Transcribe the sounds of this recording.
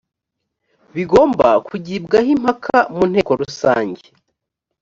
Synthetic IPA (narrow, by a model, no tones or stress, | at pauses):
βiɡo̞ːmbakʰuɟiːbɡahim̥hakʰamun̥e̞ːko̞ɾusa̰ːɲɟe